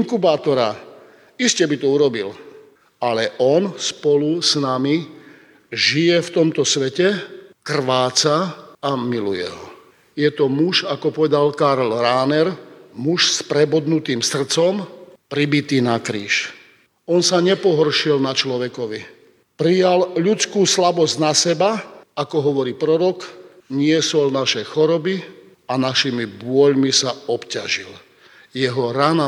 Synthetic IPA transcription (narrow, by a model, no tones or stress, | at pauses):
iŋkubaːt̪ɔɾa | iscɛbit̪ɔuɾɔbil | alɛʔɔnspɔlusnami | ʒijɛft̪ɔmt̪ɔsʋɛcɛkr̩ʋaːt͡saamilujɛ̰ɦɔ | jɛt̪ɔmuʒakɔpɔʋɛd̪alkaɾlɾaːnɛɾmuʃspɾɛbɔd̪nut̪iːmsr̩t͡sɔmpɾibit̪iːnakɾḭːʃ | ɔnsaɲɛpɔɦɔrʃilnat͡ʃlɔʋɛkɔʋi | pɾijalʎut͡skuːslabɔznasɛbaakɔɦɔʋɔɾiːpɾɔɾɔk | ɲɪɛsɔlnaʃɛxɔɾɔbi | anaʃimibʊɔʎmisaɔpcaʒil | jɛɦɔɾana